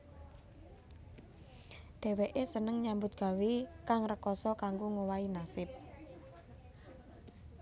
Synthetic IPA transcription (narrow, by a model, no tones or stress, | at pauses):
d̥e̤weʔesənəŋɲambʊt̪̚ɡ̥a̤wekaŋrəkɔsɔkaŋɡoŋowainasɪp̚